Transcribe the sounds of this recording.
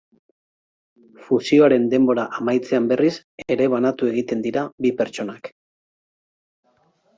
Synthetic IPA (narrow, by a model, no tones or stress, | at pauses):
fusio̞aɾe̞nd̪e̞mbo̞ɾaʔamajt͡se̞ambe̞ris | e̞ɾe̞β̞anat̪ue̞ɣ̞it̪e̞nd̪iɾabipe̞ɾt͡ʃo̞nak